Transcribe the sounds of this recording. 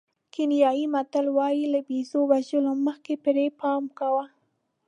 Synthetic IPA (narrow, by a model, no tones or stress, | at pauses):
kɪnjɑjimat̪alwɑjilabizowaʒəloməxkepɪɾepɑmkawa